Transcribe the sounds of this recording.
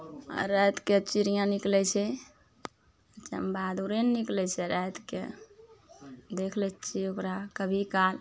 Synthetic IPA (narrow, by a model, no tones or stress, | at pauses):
ɾəjt̪ket͡ʃiɾijãniklɛt͡ʃʰɛ | t͡ʃə̰mbad̪uɾenːiklɛt͡ʃʰɛɾɛt̪kḛ | d̪ekʰlɛt͡ʃʰiokɾakəbʱikal